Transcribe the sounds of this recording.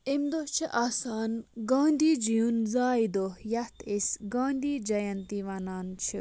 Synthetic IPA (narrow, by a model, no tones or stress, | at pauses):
imd̪oht͡ʃʰiʔaːsaːnɡãːnd̪iːd͡ʒijunzaːid̪ohjɐt̪ʰesɡaːnd̪iːd͡ʒɐjɐ̃nt̪iʋɐnaːnt͡ʃʰi